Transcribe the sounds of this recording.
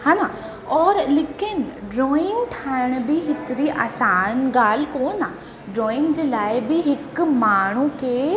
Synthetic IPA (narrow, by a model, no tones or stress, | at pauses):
hãːnãː | ɔːɾlɪkɪnɖɾɔːɪ̃ŋɡʈʰaːɪɽ̃bɪɦɪt̪ɾiʔa̰ːsaːnɡaːl̤koːnaː | ɖɾɔːɪ̃ŋɡd͡ʑeːlaːɪbɪɦɪkmaːɳ̤ukeː